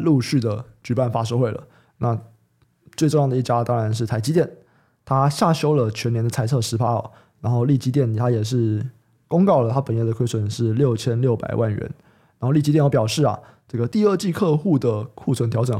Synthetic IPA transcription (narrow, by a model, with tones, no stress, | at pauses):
lu˥˧ɕy˥˩d̪ə˩t͡ɕy˨˩pa˥˩nfa˥ʂ̬o˥˧ʊwe˥˩ɪlə̰˩ | na˥˧ | t͡swe˥˧ɪʈ͡ʂo˥˧ŋjɑ˥˩ŋd̪ə˨˧i˥˩t͡ɕja˦˥t̪ɑ˥ŋɻa˧˦nʂ̬ɻ̩˥˩t̪ʰa˧˥ɪt͡ɕi˥t̪jɛ˥˩n | t̪ʰa˥ɕja˥˩ɕjo˥ʊlə˨t͡ɕʰɥɛ˧˥njɛ˧˥nd̪ə˧t͡sʰa˥ɪt͡sʰɤ˥˩ʂɻ̩˧˥pʰa˥ə̰˨˩ | na˧˥nxo˥˧ʊli˥˩t͡ɕi˥t̪jɛ˥˩n˩t̪ʰa˥jɛ˨˩ʂ̬ɻ̩˥˩ | kʊ˥ŋkɑ˥˩ʊlə˩t̪ʰa˥pə˨˩njɛ˥˩d̪ə˩kʰwe˥sʰə˨˩˦nʂɻ̩˥˧ljo˥˨˩ʊt͡ɕʰjɛ˥nljo˥˩ʊpa̰˨˩ɪwa˥˩nɥɛ̰˧˥n | na˧˥nxo˥˧li˥˩t͡ɕi˥jɛ˥˧njpjɑ˨˩ʊʂɻ̩˥˩ɐ̰˩ | ʈ͡ʂɤ˥˩ɡə˩t̪i˥˧ə˥˧t͡ɕi˥˧kʰɤ˥˧xu˥˩d̪ə˩kʰu˥˩t͡sʰwə˧˥nt̪ʰjɑ˧˥ʊʈ͡ʂə˨˩ŋ